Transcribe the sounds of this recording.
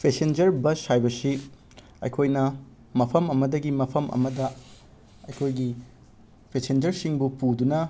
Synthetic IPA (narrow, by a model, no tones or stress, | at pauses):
pʰesend͡ʒɐɾbɐshajbɐsi | ɐ̰jkʰojnɐ | mɐpʰɐmɐmɐdɐɡimɐpʰɐmʔɐ̰mɐdɐ | ɐ̰jkʰojɡi | pʰesend͡ʒɐɾsiŋbupudunɐ